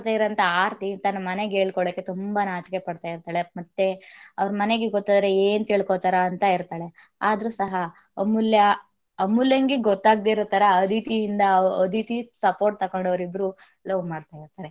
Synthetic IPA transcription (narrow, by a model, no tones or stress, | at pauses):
t̪aːiɾɐnt̪ɐaːɾt̪int̪ɐnːɐmɐne̞ɡeːɭkɔɭɐkːe̞t̪umbɐnaːt͡ʃke̞pɐɽt̪aːjiɾt̪aːɭemɐt̪ːe̞ɐʋɐɾɐmɐne̞ɡeɡɔt̪ːaːd̪ɾe̞eːnt̪iɭkot̪aɾɐːnt̪ɐiɾt̪aːɭe | aːd̪ɐɾuːsɐɦɐ | ɐmːuljɐ | ɐmːuljɐŋɡeɡɔt̪ːaːɡd̪iɾɐt̪ɐɾɐːd̪it̪ijːnd̪ɐɐd̪it̪isɐpo̞ːɾʈ̚t̪ɐkoɳɖɐʋɾibɾuː | loːʋmaːɖt̪aːjiɾt̪aːɾe̞